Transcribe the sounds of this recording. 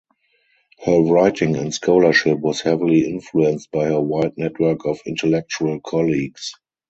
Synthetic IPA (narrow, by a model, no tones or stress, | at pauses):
hɜː˞ɹaɪtɪ̃ŋɛ̃ntskʰoʊlə˞ʃɪpwɔshɛvɪliɪ̃nfluɛ̃nst̚b̥aɪhəwaɪd̚nɛtʰwɜ˞kɔfɪ̃ntʰɛlɛk̚t͡ʃuəlkʰɔliɡs